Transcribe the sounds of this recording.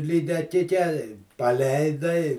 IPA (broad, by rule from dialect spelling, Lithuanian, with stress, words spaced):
lʲiːdʲɛˈkʲɪkʲɛ ɪ pɐˈlʲɛɪdɐɪ